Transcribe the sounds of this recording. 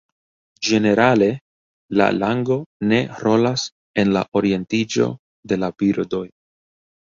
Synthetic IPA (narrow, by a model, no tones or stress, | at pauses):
d͡ʒe̞ne̞ɾale̞ | la̰laŋɡo̞ne̞ɾo̞las | e̞nla̰ʔo̞ɾie̞ntid͡ʒo̞̰ | de̞labiɾdo̞j